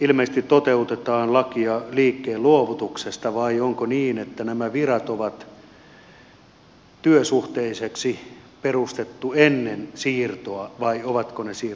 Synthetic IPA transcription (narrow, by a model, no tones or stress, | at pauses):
ilmeise̥t̪it̪t̪ot̪eut̪et̪ɑːnlɑkiɑliːkːeːluoʋut̪uksest̪ɑʋɑioŋkoniːnet̪ːænæmæʋirɑt̪oʋɑt̪ | t̪yøsuht̪eiseksiperust̪et̪ːuenːensiːrt̪oɑʋɑioʋɑt̪konesiːr